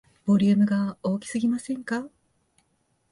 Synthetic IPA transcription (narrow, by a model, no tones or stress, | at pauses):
b̥o̞ɾʲɯɯmɯ̟ɡao̞ːkʲi̥sɨɡʲimasẽ̞ŋka